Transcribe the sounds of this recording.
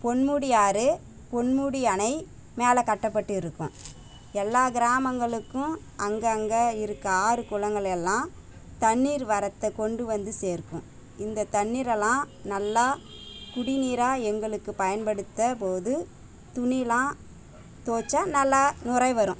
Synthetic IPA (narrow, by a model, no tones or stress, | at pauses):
pɔɳmuːɽɪjaːɾɯ | pɔɳmuːɽɪjɐnɐɪ | meːlɐkɐʈːɐpːɐʈːɯɪɾɯkːʊ̰̃ | ɛlːaːɡɪɾaːmɐŋɡɐɭɯkːʊ̃ | ʔɐŋɡɐːŋɡɐɪɾɯkːɐaːɾɯkʊlɐŋɡɐɭɛlːãː | t̪ɐɳːiːɾʋɐɾɐt̪ːɐkːɔɳɖɯʋɐnd̪ɯseːɾkːʊ̰̃ | ɪnd̪ɐt̪ɐɳːiːɾɛlːãː | nɐlːaːkʊɽɪniːɾaːɛŋɡɐɭɯkːɯpɐjɐnpɐɽɯt̪ːɐpoːðɯ | t̪ʊnɪlãː | t̪oːt͡ʃːaːnɐlːanʊɾɐɪʋɐɾʊ̃